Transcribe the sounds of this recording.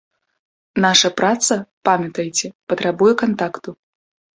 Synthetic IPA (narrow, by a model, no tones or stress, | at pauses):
naʂɐpɾat̪sɐpamʲɐt̪ɐjt͡sʲɛpɐt̪ɾabujɛkant̪akt̪u